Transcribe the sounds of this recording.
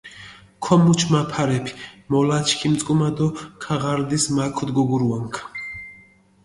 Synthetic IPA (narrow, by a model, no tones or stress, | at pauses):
kʰɔmut͡ʃʰmapʰaɾɛpʰi̥mɔlat͡ʃʰkʰimt̪sʼkʼumad̪ɔkʰaʁaɾd̪ismakʰɔd̪ɡɔɡuɾuaŋkʰ